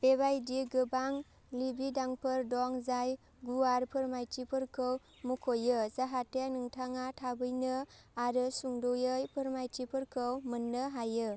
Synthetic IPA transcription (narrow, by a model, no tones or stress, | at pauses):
b̥ebajdiɡɯbaŋ | libidaŋpʰɯɾdɔŋzaj | ɡuaɾpʰɯɾmajtipʰɯɾkʰɯw | mukʰojɯzaɦatenɯŋtʰaŋatʰabɯjnɯaɾɯsuŋdujɯjpʰɯɾmajtipʰɯɾkʰɯwmɯnːɯɦajɯ